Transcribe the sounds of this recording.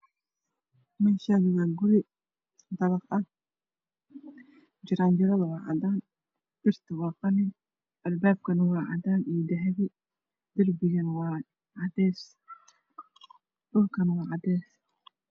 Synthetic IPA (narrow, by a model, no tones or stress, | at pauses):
mɪnʃaɣɪɣaɡʊɾɪ | d̪ɑβɐqɐ | d͡ʒɪɾaːnd͡ʒɪɾɐwɑwɑʕɑ̰d̪aːn | b̥ɪrt̪ʰɪwɑːqɑnɪn | ʔɐlbaːb̚kʰɐnɐwɑːʕɑ̰d̪aːnid̪ɐɦɛβɪ | d̪ɪrbɪjɐnwɑː | ʕɑd̪ɛːs | dʊlkʰɐnwɑːʕɑd̪ɛːs